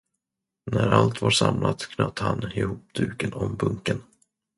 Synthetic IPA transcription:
næɾalt̪vaɾʂamlʔat̪kʰnœt̪ːhanɪhuːpd̪ʉ̟ːkənɔmbɵŋkən

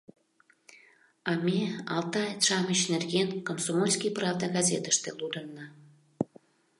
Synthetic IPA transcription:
ɑmʲeɑlˠt̪ɑet̪ʃɑməɕnerɡʲenkomsomolʲsʲkʲijprɑvd̪ɑɡɑzʲet̪ə̥ʃt̪elud̪ənːə

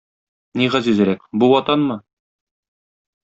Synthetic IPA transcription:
niʁæzʉzɘ̆ɾækbuwɒt̪ɑnmɤ

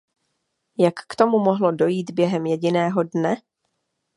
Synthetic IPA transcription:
jakːt̪o̞mumo̞ɦlo̞do̞jiːd̪bjɛɦɛmjɛɟɪnɛːɦo̞dnɛ

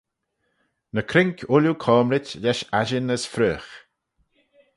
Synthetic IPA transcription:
nəkʰɾɪŋkʰʊlukʰɔːmɾɪtlɛʃaʒɪnəsfɾøːx

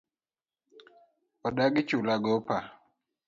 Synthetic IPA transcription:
ɔdaɡɪt͡ʃulaɡɔpa

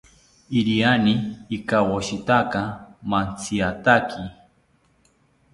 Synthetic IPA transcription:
iɾianiːkawoʃit̪akamant͡sʰiat̪akʰi

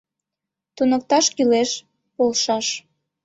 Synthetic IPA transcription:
t̪unək̚t̪ɑʃkyleʃ | polʃɑʃ

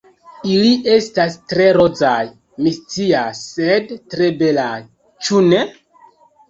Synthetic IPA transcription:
iliʔe̞stastɾe̞ɾo̞d͡zaj | mist͡siasːedtɾe̞be̞laj | t͡ʃune̞

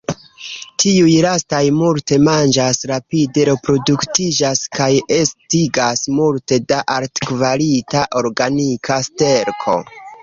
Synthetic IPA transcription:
tʰiujlastajmulte̞mand͡ʒasɾapide̞ɾe̞pɾo̞duktid͡ʒaskaje̞stiɡasmulte̞daʔaɾtkvalitaʔo̞ɾɡanikʰaste̞ɾkʰo̞̰

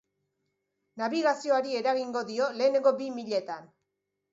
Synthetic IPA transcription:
naβiɣasio̞aɾie̞ɾaɣiŋɡo̞ðio̞le̞ːne̞ŋɡo̞bimiʎe̞t̪an

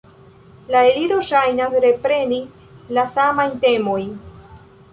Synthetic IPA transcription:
laeliɾo̞ʃajnasɾe̞pɾe̞ni | lasamajnte̞mo̞jn

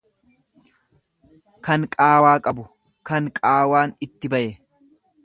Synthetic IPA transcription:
kɐŋkʼaːwaːkʼɐbʊ | kɐŋkʼaːwaːnɪt̪ːɪbɐʔɛ

